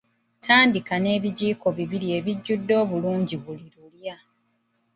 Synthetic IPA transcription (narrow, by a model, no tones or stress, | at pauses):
tʰaːndikane̞ːβiɟiːko̞βiβiɾie̞βiɟːudːo̞ːβuluːɲɟiβuliɾulja